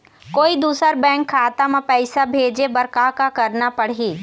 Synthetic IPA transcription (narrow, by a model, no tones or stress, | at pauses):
koːid̪uːsəɾbɛ̃ːŋkʰːaːt̪amãpɛɪsabʱeːd͡ʒebɐɾkakakɐɾnapɐɽ̤iː